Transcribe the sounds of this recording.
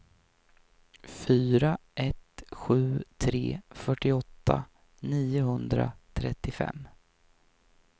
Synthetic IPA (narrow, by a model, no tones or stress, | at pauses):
fyːɾaʔɛt̪ɧʉ̟ːt̪ʰɾeːfœʈːɪɔt̪ʰːa | niːʊɦɵnd̪ɾa̰t̪ʰɾɛt̪ːɪfɛ̰mː